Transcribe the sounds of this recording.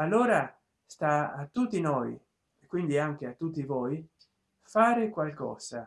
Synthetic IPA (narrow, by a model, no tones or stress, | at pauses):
alːoːɾa | st̪aːt̪ːut̪ːinoːj | ekːwind̪iaŋk̟eat̪ːut̪ːivoj | faːɾekwalkɔ̰ːz̥a